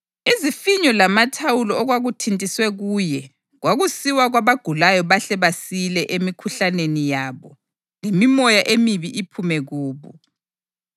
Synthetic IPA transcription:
izifiɲɔlamatʰawulɔɔɣwaɣutʰintʼiswɛɣuːjɛ | ɣwaɣusiwaɣwaβaɡ̥ʱulajɔβaɬɛβasilɛʔemikʰuɬanenijaːβɔ | lemimɔjaʔemiβiʔipʰumɛɣuːβṵ

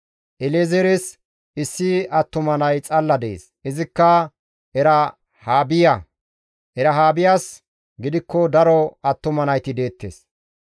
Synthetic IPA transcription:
ʔɛlɛzɛɾɛs | ɪsːɪɐt̪ːʊmɐnɐjt͡sʼɐlːɐd̪ɛḛːs | ʔɪzɪkːɐ | ɛɾɐ | haːbɪjɐ | ʔɛɾɐɦaːbɪjaːs | ɡɪd̪ɪkːɔd̪ɐɾɔɐt̪ːʊmɐnɐjt̪ɪd̪e̞ːt̪ːḛːs

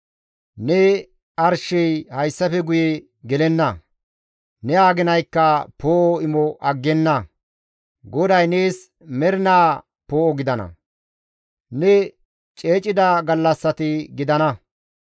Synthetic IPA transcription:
nɛ | ɐɾʃɛjhɐjsːɐfɛɡʊjɛ | ɡɛlɛnːɐ | nɛaːɡɪnɐjkːɐpoːʔɔɪmɔʔɐɡːɛnːɐ | ɡɔd̪ɐjneːs | mɛɾɪnaː | poːʔɔɡɪd̪ɐnɐ̰ | nɛ | t͡ʃʼe̞ːt͡ʃʼɪd̪ɐɡɐlːɐsːɐt̪ɪɡɪd̪ɐnɐ

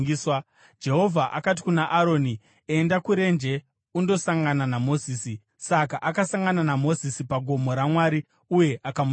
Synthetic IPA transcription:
isw | d͡ʒe̞ɦo̞vʱaʔa̰kat̬i̥kunaʔaɾo̞ːni | e̞ndakuɾe̞nd͡ʒe̞ | undo̞saŋɡananamo̞ziːsi | sakaʔakasaŋɡananamo̞zisipaɡʱo̞mo̞ɾamwaːɾi | uje̞ʔakam

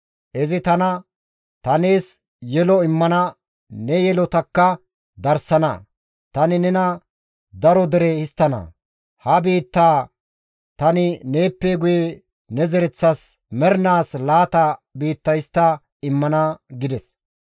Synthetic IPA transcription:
ʔɛzɪt̪ɐnɐ | t̪ɐne̞ːs | jɛlɔɪmːɐnɐ | nɛjɛlɔt̪ɐkːɐ | d̪ɐɾsɐnɐ̰ | t̪ɐnɪnɛnɐ | d̪ɐɾɔd̪ɛɾɛhɪst̪ːɐnɐ̰ | hɐbiːt̪ːaː | t̪ɐnɪne̞ːpːeɡʊje | nɛzɛɾɛt͡sːɐs | mɛɾnaːslaːt̪ɐbiːt̪ːɐjst̪ːɐ | ɪmːɐnɐɡɪd̪ɛs

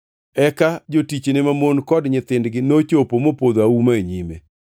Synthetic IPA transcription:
ɛkad͡ʒotit͡ʃnɪmamonkɔdɲɪt̪ɪndɡɪnot͡ʃopomopod̪aumaeɲimḛ

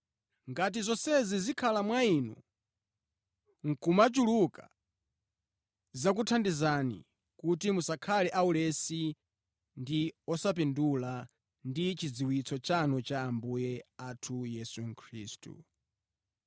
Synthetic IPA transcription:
ŋɡat̬izɔsɛzizikʰalamwainṵ | ŋ̩kumat͡ʃuluka̰ | zak̬utʰandizanḭ | kutimusakʰalɛʔaulɛsi | ndiɔsap̬indula | ndit͡ʃid͡ziwit͡sʰɔt͡ʃanɔt͡ʃaːmbujɛatʰujɛsuŋ̩kʰɾiːstṵ

